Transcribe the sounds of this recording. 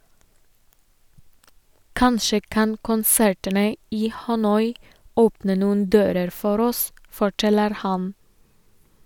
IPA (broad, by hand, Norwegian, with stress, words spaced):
ˈkɑnʃə ˈkɑn kʊnˈsæɹtənə ˈiː hɑˈnɔʏ ˈoːpnə ˈnuːn̩ ˈdøːɾəɾ ˈfɔɾ ˈɔs fɔˈʈɛləɾ ˈhɑn